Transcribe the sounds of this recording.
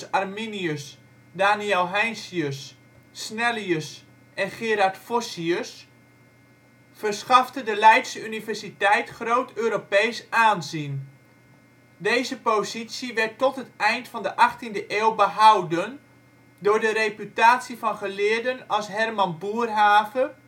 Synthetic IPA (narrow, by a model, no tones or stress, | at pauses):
arminiøs | daːniɛlˠɦɛjnsiøsː | nɛliəs | ʔɛnχɪːɾartfosiøs | fərsχɑftədəlɛjtsəynivɛrsitɛjtχroːtøːɾopejsaːnzin | dejzəpozisiʋɛrtːɔtɦətɛjntfɑndəʔɑχtindəʔɪːlˠbəɦawdən | dʊːɹdəɾepytaːtsifɑnχəlɪːəɹdənɑlˠsɦɛrmɑnbuːərɦaːvə